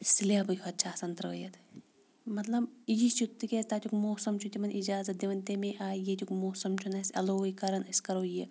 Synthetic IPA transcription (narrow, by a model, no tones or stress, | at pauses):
silʲaːbɨjɐt̪̚t͡ʃʰaːsɐnt̪ɾɐʋɐ̰jɐt̪ | mɐt̪lɐbjist͡ʃʰut̪ːɨkʲesʲt̪aːt̪ʲʰukmoːsɐmt͡ʃʰut̪ʲimɐnʔid͡ʒaːzɐt̪̚d̪ʲeʋɐnt̪emeʔaːjet̪ʲukmoːsɐmt͡ʃʰunɐsʲɐ̰loːjkɐɾɐnɐsʲkɐɾoːje